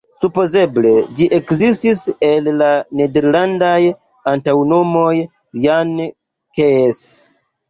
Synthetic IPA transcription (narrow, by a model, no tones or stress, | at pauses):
supo̞ze̞ble̞d͡ʒiʔe̞kzistise̞lːane̞deɾlandaj | antawno̞mo̞j | jan | kes